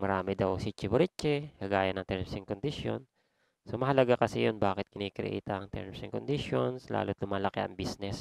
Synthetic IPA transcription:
mɐɾaːmɛd̪ɐwsit͡ʃɪbʊɾɪt͡ʃːɛkaɡaːjɐnɐŋt̪ɛɹmsɪŋkond̪ɪʃjo̰n | somɐɦɐlɐɡakɐsɛjonbaːkɪt̪̚kɪniːkɾɛ̰ʔḭːt̪ɐŋt̪ɛ̰ɹmsɪŋkond̪ɪʃonsla̰ːlot̪lʊmaːlɐkɪʔɐ̰ŋbisnɛs

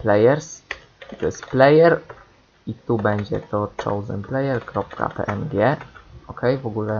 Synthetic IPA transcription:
plɛjɛɾs | t̪ɔsplɛjɛɾ | it̪ubɛɲd͡ʑɛ̰t̪ɔt͡ʂɔ̰wzɛ̰nplɛjɛɾkɾɔp̚ka̰pɛ̰ʔɛnɡʲjɛɔkɛjvɔɡulɛ

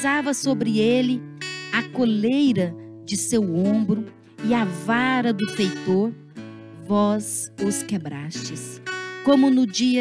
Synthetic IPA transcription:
zavɐsobɾɪelɪɐkolejɾɐd͡ʒɪsewõbɾʊ | ɪɐvaɾɐd̪ʊfejt̪oɾ | vɔzʊskebɾa̰ʃt͡ʃɪskõmʊnʊd͡ʒiɐ

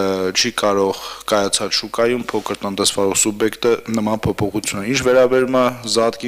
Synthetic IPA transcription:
t͡ʃʰikɑɾɔʁkɑjɑt͡sʰɑt͡sʃukɑjumpʰɔkʰəɾt̪ənt̪ɛsvɑɾɔχsubjɛkt̪ənəmɑnpʰɔpʰɔχut͡sʰjunint͡ʃʰvɛɾɑbɛɾumɑzɑt̪ki

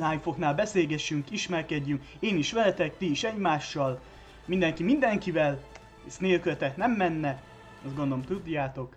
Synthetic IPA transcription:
aːjfo̞knaːlbɛseːɡɛʃyŋkiʃmɛrkɛɟːyŋk | eːniʃʋɛlɛt̪ɛk̚t̪iːʃɛɟmaːʃːɒl | mind̪ɛŋkimind̪ɛŋkivɛl | sneːlkylt̪ɛknɛmːɛnːɛ | ɒsɡo̞nd̪olomt̪ud̪ːaːt̪o̞k

